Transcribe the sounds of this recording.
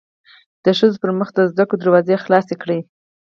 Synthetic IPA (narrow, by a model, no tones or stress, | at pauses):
d̪̥əʃəzopəɾməxd̪əzd̪akod̪əɾwɑzexlɑsekɽi